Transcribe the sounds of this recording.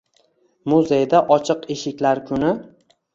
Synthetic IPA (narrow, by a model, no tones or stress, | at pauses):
mʊzejd̪aʔɒt͡ʃʰɨqeʃɪkʲlaɾkʰʊnɪ